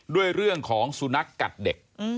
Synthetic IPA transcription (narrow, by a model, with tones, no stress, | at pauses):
du˥˩əjɾɯ˥˩əŋkʰɔː˩˦ŋsu˧˦na˦˥kːa̰˨˩t̪̚de˨˩k̚